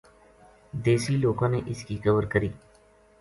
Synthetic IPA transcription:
d̪eːsiloːɡõːneʔɪskixɐbəɾkəɾiː

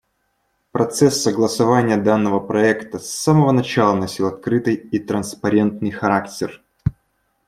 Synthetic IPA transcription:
pɾɐt̪sɛsːəɡlˠəsɐvanʲɪjəd̪anːəvəpɾɐɛkt̪əsːaməvənɐt͡ɕalˠənɐsʲilˠɐt̪̚kɾɨt̪ɨjit̪ɾənspɐɾʲe̞nt̪nɨjxɐɾaktʲɪr

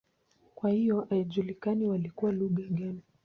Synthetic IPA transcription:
kwahijɔʔaɛʄulikaniwalikuwaluɠaɠanu

